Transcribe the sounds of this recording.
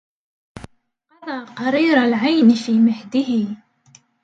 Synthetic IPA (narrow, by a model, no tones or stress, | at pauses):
qɑd̪ˤɑːqɑɾˤiːɾalʕajnfiːmɪħd̪ɪɦi